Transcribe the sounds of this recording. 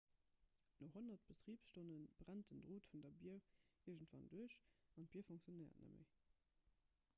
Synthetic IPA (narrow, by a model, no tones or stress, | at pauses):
noɦonɐt̚b̥ətʁiːpsʃtonənb̥ʁæntəndʁoːtfundɐbiəiɐʒəntv̥ɑ̰nduəɕɑnt̚b̥iɐfoŋkt͡sjonəɪɐ̰tnə̰mə̰ɪ